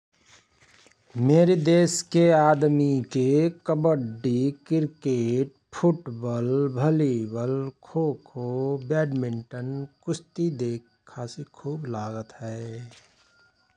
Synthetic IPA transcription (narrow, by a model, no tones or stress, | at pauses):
meːɾed̪eːskeaːd̪mikekəbəɖikɪɾkeːʈ̚ | pʰʊʈbɔlbʱəlibəlkʰoːkʰobɛːɖmɪ̃ɳʈənkʊst̪id̪eːkʰːaːsikʰuːblaːɡət̪ɦɛː